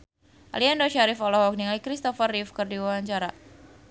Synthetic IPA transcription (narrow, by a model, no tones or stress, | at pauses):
ʔa̰liandoʃaɾifɔlɔhɔk̚niŋaikɾist̪ɔfarifkɨrdiwawaɲt͡ʃaɾa̰